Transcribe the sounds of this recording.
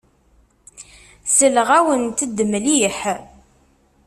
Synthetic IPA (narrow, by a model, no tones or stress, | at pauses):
səlʁæwənt̪əd̪ːmliəħ